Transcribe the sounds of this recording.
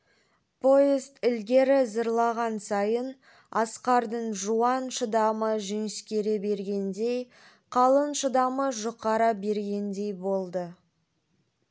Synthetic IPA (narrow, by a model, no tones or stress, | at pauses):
pʰo̞jezt̪ɪlɡʲe̞ɾɪzəɾlˠɑʁɑnsɑjən | ɑsqɑɾd̪əɴʒuɑnʃəd̪ɑməʒʏŋɪskʲeɾe̞be̞ɾɡʲe̞nd̪ej | qʰɑlˠənʃəd̪ɑməʒoqɑɾɑbe̞ɾɡʲe̞nd̪e̞jbo̞lˠd̪ə